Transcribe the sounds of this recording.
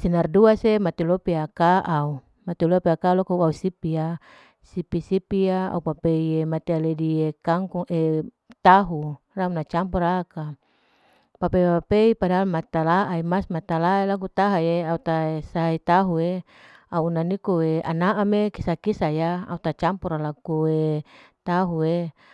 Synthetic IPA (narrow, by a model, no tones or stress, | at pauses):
sinarduasemat̪elopiakaʔau | mat̪ilopiakalokoausipia | sipisipijaa̰upapeiemat̪ealediekaŋkuŋe | t̪aɦu | raunat͡ʃampɔɾaka | papeipapeipadalmat̪alaʔaimasmat̪alaelak̬ut̪aɦajeaut̪aesait̪aɦue | auunanikoea̰naʔamekisakisajaa̰ut̪at͡ʃampɔɾalakue | t̪aɦue